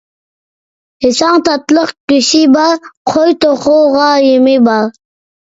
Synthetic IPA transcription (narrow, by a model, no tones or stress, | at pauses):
hɪsɑŋt̪ʰɑt̪lˠəqkʲyʃibɑɾqʰojt̪oquʁɑjemibɑɾ